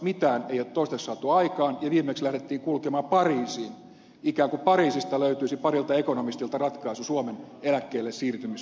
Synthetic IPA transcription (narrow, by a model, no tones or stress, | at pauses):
mit̪æːneijot̪t̪oˑist̪ekssɑt̪uɑikɑːnjɑʋiːmekslæhɾet̪ːiːŋkulkemɑːpɑriːsiːn | ikæːŋkupɑriːsist̪ɑløyt̪yisipɑrilt̪ɑekonomist̪ilt̪ɑrɑt̪kɑisusuomenelækːeːlːessiːrt̪ymis